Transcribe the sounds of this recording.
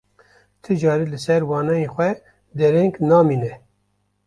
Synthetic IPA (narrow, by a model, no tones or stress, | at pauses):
t̪ʰɨd͡ʒɑːɾiːlɨsɛɾwɑːnɑjeːxʷɛ | d̪ɛɾɛŋknɑːmiːnɛ